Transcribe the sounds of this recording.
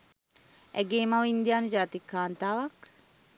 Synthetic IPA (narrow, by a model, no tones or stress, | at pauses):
æɡeːmɐʋind̪ijaːnud͡ʒaːt̪ikːaːnt̪aːʋɐk